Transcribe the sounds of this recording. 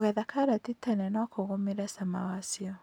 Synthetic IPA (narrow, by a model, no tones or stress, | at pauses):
ɣɛðakaɾatitanɛnɔkoɣomeɾɛsamawasiɔ